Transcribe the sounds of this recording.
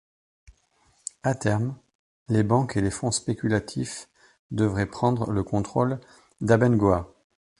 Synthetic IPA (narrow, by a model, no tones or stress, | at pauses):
at̪ɛʁm | lebɑ̃kelefɔ̃spekʲylat̪ʰif | d̪əvʁɛpχɑ̃d̪ʁələkɔ̃t̪χol | d̪abɛnɡoa